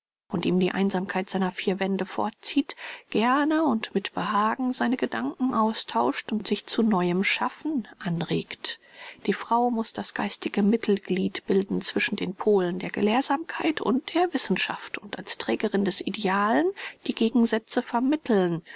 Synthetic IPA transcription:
ʔʊntiːmdiːʔa̰ɪnzaːmkʰaɪtz̥aɪnɐfiːɐvɛndəfɔ̰ɐt͡siːtɡ̥ɛɐnəʊntmɪtb̥əhaːɡŋ̩zaɪnəɡədaŋkŋ̩ʔaʊstʰaʊʃtʊntz̥ɪçt͡sunɔʏəmʃafn̩ʔanʁeːktd̥iːfʁ̥aʊmʊsd̥asɡ̥aɪstɪɡəmɪtʰl̩ɡliːtb̥ɪldn̩t͡sv̥ɪʃn̩deːnpʰoːləndeːɐɡə̰leːɐzaːmkʰaɪtʰʊ̰nt̚d̥eːɐvɪsn̩ʃa̰ftʊntʔalstʁ̥ɛːɡəʁɪndɛsʔideaːlənd̥iːɡeːɡŋ̩zɛt͡səfɛɐmɪtʰl̩n

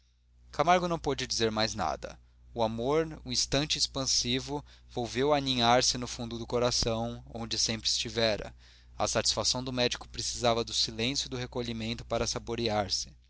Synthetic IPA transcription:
kamaɾɡʊnɐ̃w̃pod͡ʒɪd͡ʒizeɾmajzna̰d̪ɐ̰ | uamoɾũĩst̪ɐ̃nt͡ʃɪespɐ̃sivʊvowvewaniɲaɾsɪnʊfũnd̪ʊd̪ʊkoɾasɐ̃w̃õ̰nd͡ʒɪsẽmpɾɪːst͡ʃivɛɾɐ̰ | ɐ̰sat͡ʃi̥sfasɐ̃w̃d̪ʊmɛd͡ʒikʊ̥pɾesizavɐd̪ʊsilẽsjʊd̪ʊɦekoʎimẽnt̪ʊpaɾɐsaboɾiaɾsɪ̥

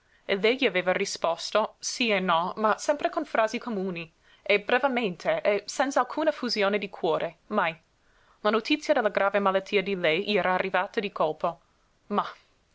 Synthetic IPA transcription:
elɛjʎiaveːvarispɔst̪osienːɔmasɛmpɾekonfɾaːzikomuːni | ebɾevement̪ʰeʔesɛnt̪salkʰuːnafuzjoːned̪ikʰwɔːɾʔemaj | lanot̪it̪sːjad̪elːaɡɾaːvemalat̪ʰːiːad̪ilɛjʎiɛːɾaːrːivaːt̪ad̪ikʰolpo | ma

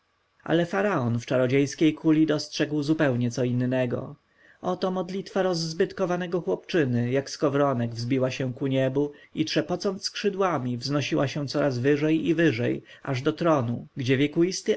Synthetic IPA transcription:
ʔa̰lɛfaɾaɔnft͡ʂaɾɔd͡ʑejskʲejkʰulʲid̪ɔstʂɛɡwzupɛwɲɛt̪sɔinːɛɡɔ̰ | ʔɔt̪ɔmɔd̪lʲit̪faɾɔzːbɘt̪kɔvanɛɡɔxwɔpt͡ʂɘnɘjakskɔvɾɔnɛɡvzbʲiwaɕɛ̃kuɲɛbuitʂɛpɔt̪sɔnt̪skʂɘd̪wamʲivznɔɕiwaɕɛ̃t̪sɔɾazvɘʐɛjivɘʐɛ̰j | ʔaʐd̪ɔt̪ɾɔnuɡd͡ʑɛvʲjɛkuist̪ɘ

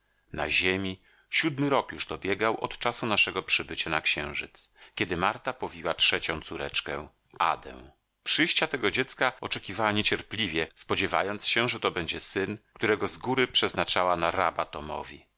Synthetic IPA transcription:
na̰ʑemʲi | ɕud̪mɘɾɔkjuʐd̪ɔbʲjɛɡawʔɔt̪t͡ʂasunaʂɛɡɔpʂɘbɘt͡ɕanakɕɛ̃w̃ʐɘt̪skʲɛd̪ɘmaɾt̪apɔvʲiwatʂɛt͡ɕɔ̃t̪suɾɛt͡ʂkɛ̃ | ʔa̰d̪ɛ̰̃w̃ | pʂɘjɕt͡ɕat̪ɛɡɔd͡ʑɛt̪skaɔt͡ʂɛkʲivawaɲet͡ɕɛɾplʲivʲjɛspɔd͡ʑɛva̰jɔnt̪sɕɛʐɛt̪ɔbɛɲd͡ʑɛsɘnkt̪uɾɛɡɔzɡuɾɘpʂɛznat͡ʂawanaɾa̰bat̪ɔmɔ̰vʲi

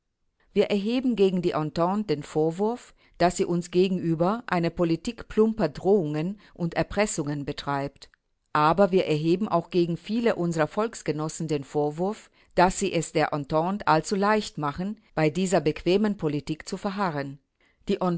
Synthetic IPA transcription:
viːɐʔɛɐɦeːbm̩ɡeːɡŋ̩diːʔɔntɔnt̚d̥eːnfoːɐvʊɐf | d̥asz̥iːʔʊnsɡ̥eːɡŋ̩ʔyːbɐʔaɪnəpolitiːkplʊmpɐdʁoːʊŋən | ʔʊntɛɐpʁ̥ɛsʊŋənbətʁ̥aɪpt | ʔaːbɐviːɐʔɛɐɦeːbm̩ʔa̰ʊxɡ̥eːɡŋ̩fiːləʔʊnzəʁɐfɔlksɡ̥ənɔsn̩deːnfoːɐvʊɐf | d̥asiːʔɛsd̥eːɐʔɔntɔntʔalt͡sulaɪçtmaχən̩ | b̥aɪdiːzɐbəkv̥eːmənpʰolitiːkt͡sufɛɐɦaʁən | d̥iːʔɔ

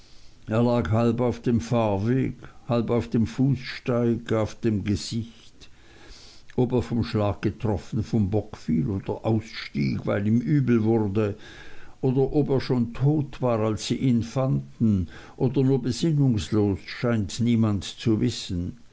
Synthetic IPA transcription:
ʔeːɐlaːkhalbaʊfd̥eːmfaːɐveːɡhalbaʊfd̥eːmfuːsʃtaɪɡaʊfd̥eːmɡəz̥ɪç | t | ʔoːbeːɐfɔmʃlaːk̚ɡ̥ətʁ̥ɔfən̩fɔmbɔkfḭːloːd̥ɐʔaʊsʃtḭːɡva̰ɪliːmʔyːbl̩vʊʁdə | ʔoːdɐʔobeːɐʃoːntʰoːtv̥aːʁalsːiːʔiːnfandn̩ | ʔoːdɐnuːɐbəzɪnʊŋsloːsʃaɪntniːmantt͡suvɪsən̩

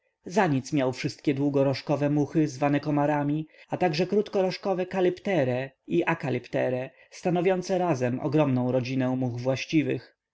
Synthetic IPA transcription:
zaɲit̪smʲjawfʂɘst̪̚kʲɛd̪wuɡɔɾɔʂkɔvɛmuxɘzvanɛkɔmaɾamʲiat̪aɡʐɛkɾut̪kɔɾɔʂkɔvɛkalɛpt̪ɛɾɛiʔakalɛpt̪ɛɾɛ | st̪anɔvʲjɔnt̪sɛɾazɛmɔ̰ɡɾɔmnɔ̃w̃ɾɔd͡ʑinɛw̃muɣvwaɕt͡ɕivɘ̰x

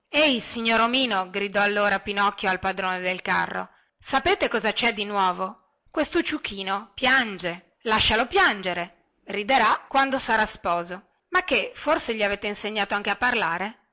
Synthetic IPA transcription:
ejsiɲːoːɾomiːnoɡɾid̪ɔalːoːɾapinɔkːjoalpad̪ɾoːned̪elka̰rːo̰ | sapeːt̪ekɔzat͡ʃɛd̪inwɔːvo | kwest̪ot͡ʃukʰːiːnopjand͡ʒe | laʃːalopjand͡ʒeɾe | rid̪eɾakːwand̪osaɾaspɔːzo | makːeforseʎiaveːt̪einseɲːaːt̪oaŋkeapːarlaːɾe

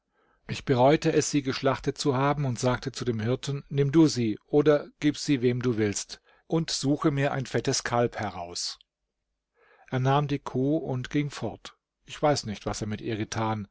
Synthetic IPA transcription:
ʔɪçb̥əʁɔʏtəɛsz̥iːɡəʃlaχtət̚t͡suhaːbm̩ʊntz̥aːk̚tət͡sudeːmɦɪɐtn̩nɪmduːziːʔoːdɐɡ̥iːpz̥iːveːmduːvɪlst | ʔʊntz̥uːxəmiːɐʔa̰ɪnfɛtəskʰalphɛʁaʊs | ʔeːɐnaːmdiːkʰuːʊntɡ̥ɪŋfɔɐt | ʔɪçv̥aɪsnɪçtv̥aseːɐmɪtʔiːɐɡətʰaːn

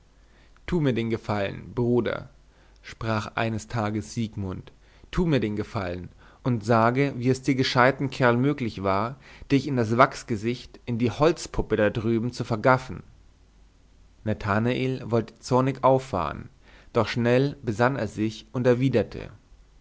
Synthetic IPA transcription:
tʰuːmiːɐdeːnɡəfalə̰nb̥ʁuːdɐ̰ | ʃpʁ̥aːχʔa̰ɪnəstʰaːɡəsz̥iːkmʊntʰː | uːmiːɐdeːnɡəfalən | ʔʊntz̥aːɡəviːɛsd̥iːɐɡəʃaɪtn̩kʰɛɐlmøːklɪçv̥aːɐd̥ɪçɪndasv̥aksɡ̥əzɪçtʔɪndiːhɔlt͡spʰʊpədadʁyːbm̩t͡sufɛɐɡafn̩ | natʰanaʔeːlvɔltə̥t͡sɔɐnɪçʔaʊfːa̰ːʁə̰n | d̥ɔχʃnɛlbəzanḛːɐzɪçʊntɛɐviːdɐtʰə̰

